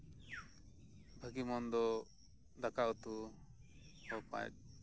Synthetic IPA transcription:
bʱəɡimɔnd̪ɔ | d̪akawt̪u | ɔpã̰jt̪̚

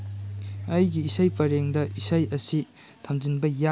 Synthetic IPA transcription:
ɐjɡiːsajpɐɾeŋdɐʔisajɐsi | tʰɐmzinbɐja

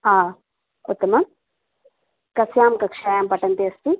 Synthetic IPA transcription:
aː | ut̪ːɐmɐm | kɐsjaːmkɐkʂaːjaːmpɐʈɐnt̪iɐst̪i

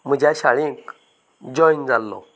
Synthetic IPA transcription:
m̤əd͡ʑjaɕaɭĩk | d͡ʑɔind͡zalːɔ̰

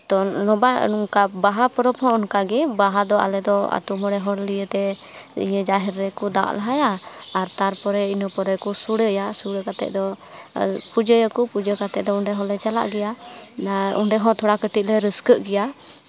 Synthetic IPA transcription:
t̪ɔnɔba̰uŋkabaɦapɔɾɔpʰhɔ̃ɔnkaɡɛbaɦad̪ɔa̰lɛd̪ɔa̰t̪umɔɽɛɦɔɽlijət̪ɛ | ḭjəd͡ʒaɦɛɾːɛkud̪a̰ʔlaɦajaaɾt̪aɾpɔɾɛinɔpɔɾɛkusuɽəjasuɽəkat̪ɛ̰ʔ̚d̪ɔ | pud͡ʒəjəkupud͡ʒəkat̪ɛʔ̚d̪ɔɔɳɖɛɦɔ̃lɛt͡ʃala̰ʔɡɛja | ṵɳɖɛɦɔ̃t̪ʰɔɽakəʈit̪̚ˀlɛɾəskəʔɡɛja

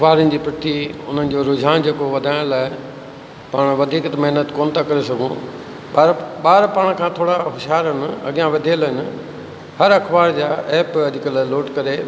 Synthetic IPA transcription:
ɐxbaːɾənɪ̆d͡ʑiːpɾɪt̪ʰiʊ̰n̤ənɪ̆d͡ʑoːɾʊd͡ʑʱaːnd͡ʑeːkoʋɐd̪ʱaːɪ̃ɽ̃laːɪ | paːɽ̃ʋɐd̪ʱiːkt̪mɐɦnət̪koːnɪt̪akɐɾesɐɡʱṵ̃ | aːɾɓaːɾpaːɽ̃kʰãːt̪ʰoːɽaɦʊʃaːɾɦɪnɐ̰ɠijãʋɐd̪ʱiəlɦɪnɪ̆ | hɐɾɐkʰbaːɾd͡ʑaːʔɛːpɐd̪ʱɪkəlaːloːʈkɐɾe

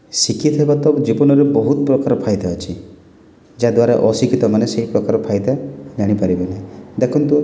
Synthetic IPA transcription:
sikʰit̪ɦebat̪ɔbd͡ʒibɔnɔɾebɔɦut̪pɾɔkaɾɔpʰajd̪aət͡ʃʰi | d͡ʒad̪waɾaʔɔsikʰit̪ɔmaneseɦipɾɔkaɾɔpʰajd̪ad͡ʒaɽ̃ipaɾibenẽd̪ekʰunt̪u

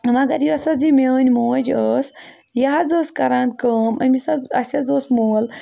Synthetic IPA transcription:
ɐmɐɡɐɾjuɐsɐzimeənʲmoːd͡ʒəːsjɐɦazəːskɐɾãːnd̪̚kəːmɐ̰mʲisɐɐsʲɐzoːsmoːl

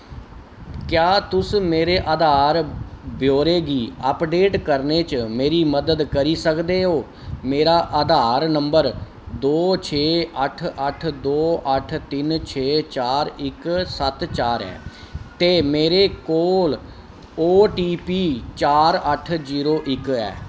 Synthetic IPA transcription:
kjaːt̪ʊsmeːɾeːʔaːd̪aːɾbʱjoːɾeːɡiːəpɖeːʈkəɾneːt͡ʃmeːɾiːməd̪əd̪kəɾiːsəkd̪eːɦoː | meːɾaːʔəːd̪aːɾnəmbəɾ | d̪oːt͡ʃʰeːəʈʰəʈʰd̪oːʔəʈʰt̪ɪnt͡ʃʰeːt͡ʃaːɾɪksət̪t͡ʃaːɾɛ̰ː | t̪eːmeːɾeːkoːl | oːʈiːpiːt͡ʃaːɾəʈʰziːɾoːʔɪkɛ̰ː

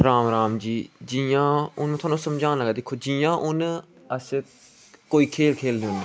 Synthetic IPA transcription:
ɾaːmɾaːmd͡ʒiːd͡ʒijãːʊñːt̪ʰʊaːnũːsəmd͡ʒãːnləɡɛːd̪ɪkʰːoːd͡ʒijãːʔʊn | əs | koːiːkʰeːlkʰeːlnẽːʊnːeː

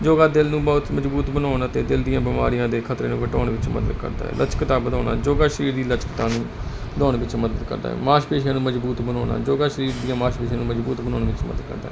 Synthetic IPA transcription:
d͡ʒoːɡaːd̪ɪlnũːbɔːt̪məzbuːt̪bənaːnt̪eːd̪ɪld̪ɪjãːbɪma̰ːɾijãːd̪eːkʰət̪ɾeːnũːʋəʈɔːnʋɪt͡ʃmə̰d̪ə̰d̪kə̰ɾd̪a̰ːɦɛ̰ːlʔət͡ʃkt̪aːbəd̪aːna̰ːd͡ʒoːɡaːʃəɾiːɾd̪iːlət͡ʃkət̪ãːnũː | əd̪ɔːñːʋɪt͡ʃməd̪əd̪kə̰ɾd̪a̰ːɛ̰ːmaːʃpeːʃãːnũːməzbuːt̪bənɔːna̰ːd͡ʒoːɡaːʃəɾiːɾd̪ijãːmaːʃpeːʃãːnũːməzbuːt̪bənɔːnːʋɪt͡ʃmə̰d̪əd̪kə̰ɾd̪aːɦɛ

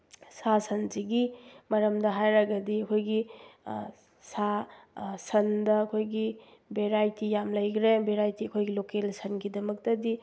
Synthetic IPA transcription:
sasʰɐnziɡimɐɾɐmdɐɦajɾɐɡɐdiɐkʰojɡi | sa | sɐndɐːkʰojɡi | beɾajtijamlɐjɡɾebeɾajtiɐkʰojɡilokelsɐnɡidɐmɐk̚tɐdi

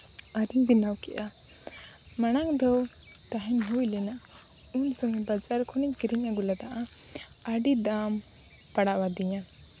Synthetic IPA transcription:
adiŋbinawkɛʔa | maɽ̃aŋd̪ɔw | t̪aɦɛnɦujlɛnaʔ | unsɔŋɛbad͡ʒaɾkʰɔniɲkiɾiɲaɡulad̪aʔa | aɖid̪am | paɽawad̪iɲa

